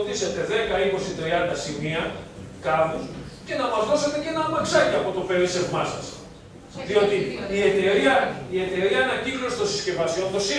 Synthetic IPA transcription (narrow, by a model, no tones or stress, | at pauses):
t̪ise̞t̪e̞ðe̞kɐiko̞sit̪ɾiɐnd̪ɐsimiɐkɐθosce̞nɐmɐzðose̞t̪e̞cenɐmɐksɐciɐpo̞t̪o̞pe̞lise̞vmɐsɐs | ðio̞t̪iie̞t̪e̞ɾiɐie̞t̪e̞ɾiɐːnɐciklo̞si̥st̪o̞si̥sce̞vɐsio̞nt̪o̞si